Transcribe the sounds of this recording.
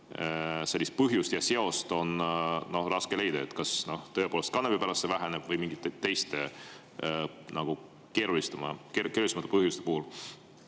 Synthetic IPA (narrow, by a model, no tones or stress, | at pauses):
selːist̪̚pɤɦjust̪jɑse̞o̞st̪o̞nno̞hrɑske̞le̞jd̪̥ɑet̪ːkɑsno̞ht̪ɤe̞poːlst̪kɑnːepipæɾɑstːevæɦeneb̥vɤjmiŋɡ̥it̪t̪ːejst̪e | nɑɡ̥u | ke̞ːɾulist̪ɑmɑkekeːɾulisemɑt̪ːˑepɤɦjust̪epuhul